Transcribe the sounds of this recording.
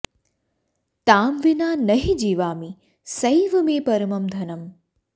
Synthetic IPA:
t̪aːmʋɪnaːnɐɦid͡ʒiːʋaːmi | sɐjʋɐmẽːpɐɾmɐmd̪ʱɐnɐm

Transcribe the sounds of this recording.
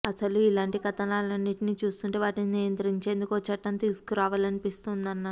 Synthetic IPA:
ɐsɐluilaːɳʈikɐt̪ɐnaːlɐnːiʈiniːt͡ʃuːskuɳʈeːʋaːʈininijɐnt̪ɐɾiɲt͡ʃe̞ːnd̪ukoːt͡ʃɐʈːɐnt̪iːsu̥kuɾaːʋaːlɐnipist̪und̪ɐnːa

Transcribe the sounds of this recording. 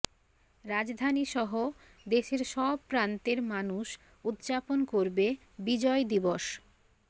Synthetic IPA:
ɾad͡ʑd̪ʱaniʃɔɦo | d̪eʃeɾʃɔb̚pɾant̪eɾmanuʃ | ud̪d͡ʑaponkoɾbe | bid͡ʑɔed̪iboʃ

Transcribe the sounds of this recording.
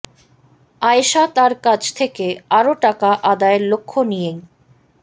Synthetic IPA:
ajʃat̪aɾkad͡ʑʰt̪ʰekeaɾoʈakaʔad̪aeɾlokʰːonije

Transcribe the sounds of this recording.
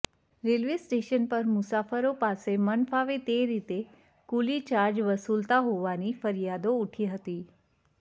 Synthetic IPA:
ɾelʋisʈeʃənpəɾmʊsafəɾopasemənfaʋet̪eɾit̪e | kulit͡ʃaɾd͡ʒʋəsult̪aɦoʋanifəɾijad̪ouʈʰiɦət̪i

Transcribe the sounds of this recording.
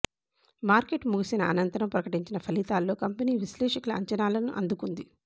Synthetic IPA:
maːɾke̞ʈmuɡisinɐɐnɐnt̪ɐɾɐmpɾɐkɐʈiɲt͡ʃinɐpʰɐlit̪aːlːo̞ːkɐmpɐniːʋislɛːʂɐkulɐɐɲt͡ʃɐnaːlɐnuʔɐ̰nd̪ukund̪i

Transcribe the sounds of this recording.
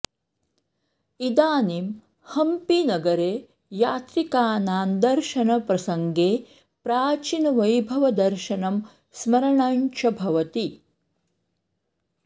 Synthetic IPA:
id̪aːnim | hɐmpinɐɡɐɾeː | jaːt̪ɾikaːnaːnd̪ɐɾʃɐnɐpɾɐsɐŋɡeː | pɾaːt͡ʃinɐʋɐjbʱɐʋɐd̪ɐɾʃɐnɐm | smɐɾɐɳaːɲt͡ʃʰɐbʱɐʋɐt̪i

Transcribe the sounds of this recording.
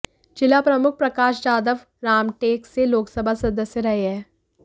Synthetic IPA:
t͡ʃɪlapɾɐmʊk̚ʰpɾɐkaːʃd͡ʒaːd̪əʋ | ɾaːmʈeːkseloːksəbʱasɐd̪əsjəɾɐɦeɦɛ̃ː

